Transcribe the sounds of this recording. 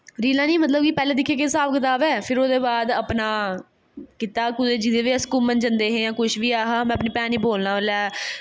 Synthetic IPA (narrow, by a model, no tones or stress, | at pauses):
ɾiːlãːnĩːmət̪ləb̚kiːpɛːleːd̪ɪkʰːjeːk̬esaːbkət̪aːʋɛːpʰɪɾoːd̪eːbaːd̪əpnaː | kiːt̪aːkʊd̪eːd͡ʒɪd̪eːʋiːəskuːmənd͡ʒənd̪eːɦẽːjãːkʊʃʰʋiːaːɦaːmɛ̃ːəpnĩːpɛ̃ːnĩːboːlnãːʋəlɛː